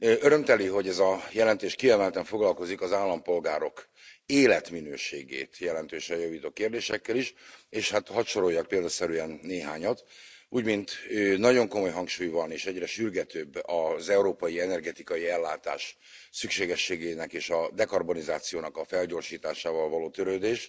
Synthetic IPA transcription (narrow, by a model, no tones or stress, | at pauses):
øøɾø̞mt̪ɛliɦo̞ɟɛzɒjɛlɛnt̪eːʃkiɛmɛlt̪ɛɱfo̞ɡlɒlko̞zikɒzaːlːɒmpo̞lɡaːɾo̞k | eːlɛt̪minøːʃḛːɡḛːt̪jɛlɛnt̪øːʃɛjɒviːt̪ot̪keːrd̪eːʃɛkːɛliʃeːʃhat̪hɒʃo̞ɾo̞jːɒk̚peːld̪ɒsɛɾyɛnːeːɦa̰ːɲɒt̪uːɟmint̪øːnɒɟo̞ŋko̞mo̞jɦɒŋkʃuːjvɒneːʃɛɟrɛʃyrɡɛt̪øːbːɒzɛuɾoːpɒjiɛnɛrɡɛt̪ikɒjiɛlːaːt̪a̰ːʃ | sykʃeːɡɛʃːeːɡeːnɛkeːʃɒd̪ɛkɒrbo̞nizaːt̪sijoːnɒkɒfɛlɟo̞rʃiːt̪aːʃaːvɒlvɒloːt̪øɾøːd̪eːʃ